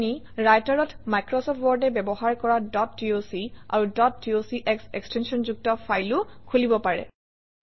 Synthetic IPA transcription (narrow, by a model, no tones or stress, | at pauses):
ni | ɹajtaɹɔtmajkɹɔsɔp̚ʰtwɔɹdɛbɛbɔɦaɹkɔɹadɔtːiosia̰ɹudɔtːiosiʔɛksekstensɔnzuk̚tɔfʰajlʊkʰulibɔpaɹɛ̰